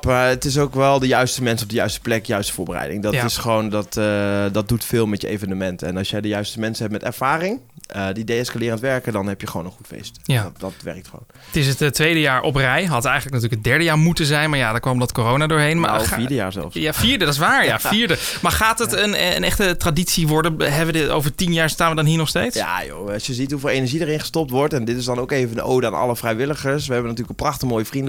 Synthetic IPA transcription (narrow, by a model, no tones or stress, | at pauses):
maɹətɪs̬owkʋɛlˠdəjœɥstəmɛnsɔb̚dəjœɥstə̥plɛkdəjœɥstə̥vʊːɹbərɛ̰jdɪ̰ŋdɔjtɪsχəʋowndɑtdɑt̚dutfɪːlˠmɛtjəejvənəmɛntɛnɑlˠsjəjdəjœɥstəmɛnsəɦɛp̚mɛtɛ̰ɹv̥aːrɪŋədidejɛskalɪːɾəntʋɛɹkədɑnɦɛpjəχəʋo̰wnənχutfḛjstjadɑtʋɛ̰rək̚tχəʋo̰wntɪs̬əttːʋejdəjaːɹʔɔprɛjɦɑtɛjχənləknatyːləkɦədɛɹdəjaːɹmutənzɛjnmaːɹjadəkʋɔmdɔtkoːrownadʊːɹɦejnma̰fiːdəja̰ːɹzɛ̰lˠfafiːɹdədɪs̬ʋaːɹjafiːɹdəmaːɹχaːtətənə̰nɛχtətraditsiʋɔɹdənɦɛbʋəo̰wvəɹtinjaːɹstaːnʋədɔnɦiːɹnɔχstejtsa̰jo̰ɑsjəzitɦuvɪlˠejnəɹʒidəɾɪnχəstɔp̚tʋɔɹtɛndɪtɪzdɑnoʊwkejvəndəo̰wdəa̰ːnɑ̰ləfrɛjʋɪləχəɹsʋəɦɛbənatyːləkəprɑχtəmoːjəfrində